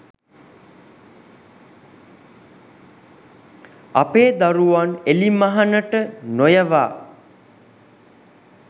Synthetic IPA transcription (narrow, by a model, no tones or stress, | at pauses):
apeːd̪aɾuʋanelimaɦanəʈənojəʋa̰ː